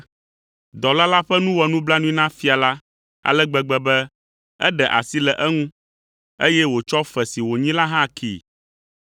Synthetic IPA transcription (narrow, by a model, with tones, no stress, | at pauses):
d̪ɔ˨la˦la˦ɸɛ˦nũ˦wɔ˨nũ˦bla˦nũ˦i˦nã˦fi˦a˨la˦ | a̰˨lɛ˦ɡ͡bɛ˨ɡ͡bɛ˨bɛ˦ | ɛ̰˦ɖɛ˨ʔa̰˨si˦lɛ˨ʔɛ˦ŋũ˦ | e˦jɛ˦wo˨t͡ʃɔ˦fɛ˨si˨wo˨ɲĩ˦la˦ɦã˦kʰḭ˨